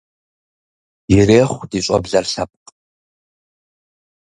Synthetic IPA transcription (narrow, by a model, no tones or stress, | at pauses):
jɪɾeːχʷdiːɕʼɔ̰bɮɐrɬɐp̚qʼ